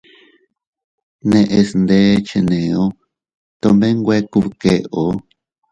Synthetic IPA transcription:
nẽ˧ʔe˧snd̪e˦t͡ʃe˧nẽ˨o˦ | t̪o˧mbẽ˦ŋɡʷe˦ku˧βke˧o˨˦

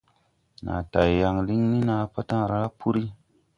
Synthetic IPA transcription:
na̰˨ta˨ja˨ŋli˦ŋni˦na˧pa˦ta˦ŋ˨ɾa˦pu˦ɾi˦

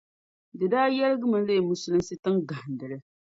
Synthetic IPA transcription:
dɨ˨daː˦jɛ˦lɨ˦ɡɨ˦mɨ˨le˦˨mu˦sɨ˨lɨ˦nsɨ˦tɨ˦ŋɡa˨n˨dɨ˨lɨ˦

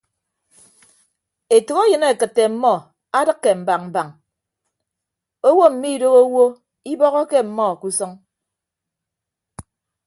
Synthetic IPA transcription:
e˨to˨ɣo˦jɨ˨ne˦˨kɨ˨tːe˨m̩˦mɔ˦ | a˦dɨ˦kːe˨m̩˨ba˨k̚m̩˨ba˨ŋ | o˦wo˦m̩˨mi˦˨do˦ɣo˦wo˦ | i˦bɔ˦ɣɔ˦ke˦m̩˨mɔ˦˨ku˦sɔ˦ŋ

